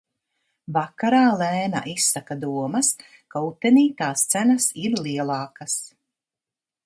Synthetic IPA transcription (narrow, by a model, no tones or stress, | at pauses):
vakaɾaːlɛːna̰ʔisːakad̪uɔmɐs | kaut̪ːeniːt̪aːst̪sænɐsiɾliɛlˠɑːkas